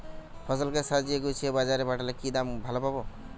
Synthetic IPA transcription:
pʰɔsəlkesad͡ʒieɡojt͡ʃʰiebad͡ʒaɾebaʈʰalakid̪ambʱalɔpabɔ

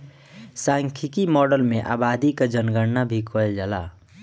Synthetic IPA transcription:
saŋkʰikimɔɖəlmeʔa̰bad̪iked͡ʒənɡəɾnabʱikoed͡ʒəla̰

